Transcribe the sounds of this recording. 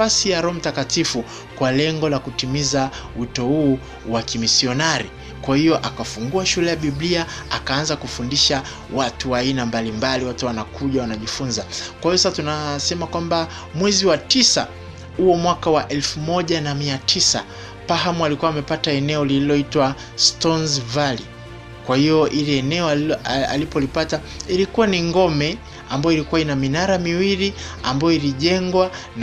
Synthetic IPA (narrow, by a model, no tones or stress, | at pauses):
asijaɾɔm̩takatifu | kwalɛŋɡɔlakutimizawitɔhuː | wakimisiɔnaɾi | kwahiɔʔakafuŋɡuaʃulɛjaɓiɓliaakaːanzakufundiʃa | watuwainambalimbaliwatuwanakuʄawanaʄifunzakwahijɔsasatunasɛmakwamba | mwɛziwatisa̰ | huɔmwakawaʔɛlfumɔʄanamiatʰisa̰ | pahamualikuwamɛpataɛnɛɔlililɔitwa | stɔnzvali | kwahijɔʔilɛɛnɛɔa̰lipɔlipata | ilikuwaniŋɡɔmɛ | ambajɔilikuwainaminaɾamiwilia̰mbajɔiliʄɛŋɡwan